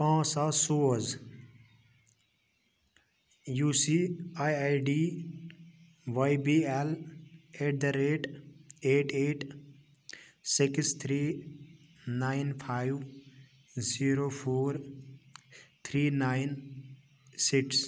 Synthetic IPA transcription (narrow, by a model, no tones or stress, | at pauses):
pãːsasoːz | juːsiajajɖi | ʋajbiːɛleʈ̚d̪əɾeːʈeːʈʰeːʈ | sikst̪ʰɾiː | naːɪnpʰaːɪʋ | ziːɾopʰoːɾ | t̪ʰɾiːnaːɪn | siks